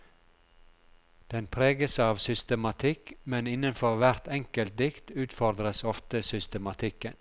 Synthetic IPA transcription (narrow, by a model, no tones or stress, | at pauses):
d̪̥ɛnpʰɾeːɡəsɑːʋsʏst̪əmɑt̪ʰɪkmɛnɪnənfɔɾʋæɾt̪ɛŋkəlt̪̚d̪ɪkt̪ʉːt̪fɔɾd̪ɾəsɔft̪əsʏst̪əmɑt̪ʰɪkən